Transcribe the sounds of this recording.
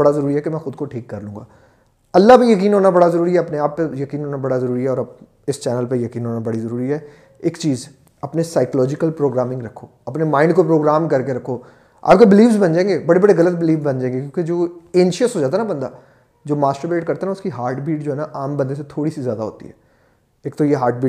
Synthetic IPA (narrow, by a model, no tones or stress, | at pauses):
bɐɽazɐɾuːɾiɦɛkemɛ̃ːxʊd̪koʈʰiːkːɐɾlũːŋɡa̰ː | ɐlːapejɐkiːnɦoːnabɐɽazɐɾuːɾiɦɛɐpneaːpːejɐkiːnɦoːnabɐɽazɐɾuːɾiɦɛɔːɾɐb | ɪst͡ʃɛːnəlpejɐkiːnɦoːnabɐɽizɐɾuːɾiɦɛ | eːkt͡ʃiːz | ɐpnesaːɪklɔːd͡ʒɪkəlpɾoːɡɾaːmɪ̃ŋɡɾɐkʰːoːɐpnemãːɪ̃ɳɖkopɾoːɡɾaːmkɐɾkeɾɐkʰːoː | a̰ːpkebɪliːfzbɐ̃nd͡ʒãːẽːŋɡebɐɽebɐɽeɣɐlət̪̚bɪliːfbɐ̃nd͡ʒãːẽːŋɡekjõːked͡ʒoːẽːnʃiəsɦoːd͡ʒaːt̪̬aɦɛnabɐ̃nd̪a̰ː | d͡ʒoːmaːsʈəbeːʈ̚kɐɾt̪aɦnaʊskiɦaːɾʈbiːʈd͡ʒoːɦɛnaʔaːmbəɐnd̪eset̪ʰoːɽisizjaːd̪aɦo̰ːt̪ḭɦɛː | eːkt̪ojeɦaːɾʈbiːʈ